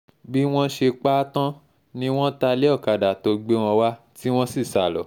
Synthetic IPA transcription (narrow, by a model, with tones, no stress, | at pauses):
bi˦w̃ɔ̃˦ʃe˧k͡pa˦tã˦ | nĩ˦w̃ɔ̃˦ta˧le˦ɔ˦˨ka˨da˨to˨˧ɡ͡be˦w̃ɔ̃˧wa˦ti˦w̃ɔ̃˦si˦˨sa˨lɔ̰˨˦